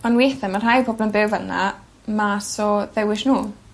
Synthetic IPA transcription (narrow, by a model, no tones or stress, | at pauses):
ɔnwejθɛmar̥ajpʰɔblənbeːvəna̰ | masɔðɛwɪʃnuː